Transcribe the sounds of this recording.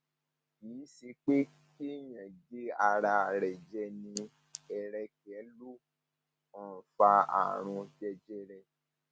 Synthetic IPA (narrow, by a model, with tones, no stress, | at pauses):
kiː˨˦si˧k͡pe˦ | ki˦jã˨d͡ʒe˦a˧ɾa˧˨ɾɛ˨d͡ʒɛ˧nĩ˧ | ɛ˨ɾɛ˧kɛ˨˦lu˦ | ɔ̃˨fa˧a̰˨ɾ̃ũ˧d͡ʒɛ˧d͡ʒɛ˦ɾɛ˧